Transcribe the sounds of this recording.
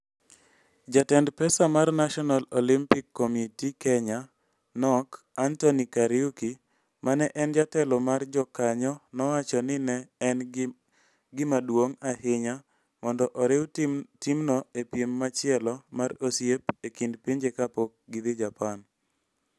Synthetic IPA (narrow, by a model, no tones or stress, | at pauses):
d͡ʒatɛndpɛsamarnaʃɔnalolimpikːomitikɛɲa | nɔk | antonikaɾiuki | mʔanɛʔɛnd͡ʒatɛlɔmard͡ʒɔkaɲɔnɔwat͡ʃɔnɪnɛn | ɡɪmadwoŋahɪɲa | mɔndɔʔɔɾɪwtimnɔepjemːat͡ʃɪɛlɔmarosjepekindpiɲd͡ʒekapok̚ɡɪd̪ɪd͡ʒapan